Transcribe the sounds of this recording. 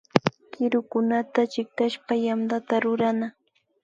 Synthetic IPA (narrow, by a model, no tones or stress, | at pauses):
kɪɾʊkʊnat̪at͡ʃɪk̚t̪aʃpajamd̪at̪aɾʊɾana